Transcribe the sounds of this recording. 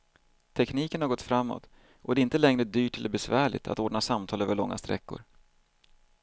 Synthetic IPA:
t̪ʰɛkniːkənhaɾɡɔt̪fɾamːɔ̰ːt̪ | ʔɔd̪ɛɾɪnt̪əlɛŋɾəd̪yːʈɛlːəɾbɛsvæːɭɪ̰t̪ʰa̰t̪oːɖɳasamt̪ʰɑːløːvəɭɔŋːa̰st̪ɾɛ̰kːʊ̰ɾ

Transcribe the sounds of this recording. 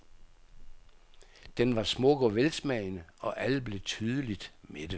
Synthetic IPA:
d̥enʋɑ̈smɔ̽ɡ̥ɒʋelsmɛɪnəɒ̽ʔæləb̥le̝t͡sʰyːð̞ˠəlid̥med̥ə

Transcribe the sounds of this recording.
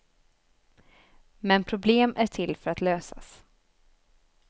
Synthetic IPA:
mɛnpʰɾʊbleːmʔæʈʰɪlfœɾat̪løːsa̰s

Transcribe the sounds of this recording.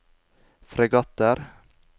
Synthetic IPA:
fɾɛɡɑt̪əɾ

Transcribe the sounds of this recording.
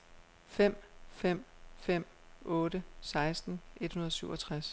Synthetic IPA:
fem̰fem̰fem̰ | ɔ̽ːɾəsɑ̈ɪsd̥n̩ʔe̝d̥hunɐðˠsyʊɒ̽t͡sʰʁas

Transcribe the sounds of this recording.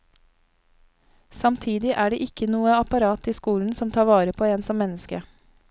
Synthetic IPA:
sɑmt̪ʰiːd̪ɪʔæːɖeːʔɪkənuːəɑpɑɾɑːt̪iːskuːln̩sɔmt̪ʰɑːʋɑːɾəpʰoːeːnsɔmmɛnəskə

